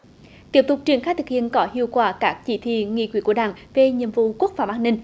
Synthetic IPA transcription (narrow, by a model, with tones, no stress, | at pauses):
t̪i˦˥əp̚t̪ʊ˨˩k͡p̚t͡ɕi˧˩əŋxaː˦˥j̚t̪ʰɨ˨˩k̚hḭ˧˨ənkɔ˨˦hi˧əwkwaː˧˩kaː˦˥k̚t͡ɕi˧˦t̪ʰḭ˧˨ŋḭ˧˨kw̰ku˧˩əɗa̰ː˧˩ŋve˨˩ɲḭ˧˨mvṵ˧˨ku˦˥ək̚faː˧˩wʔaː˧nï˧ŋ